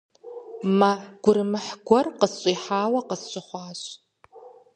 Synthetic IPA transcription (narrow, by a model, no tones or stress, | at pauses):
maɡ̥ʷʊɾɨmɨħɡʷɔrqəsɕʼiħaːwɐqəsɕʷʼɨχʷɑːɕ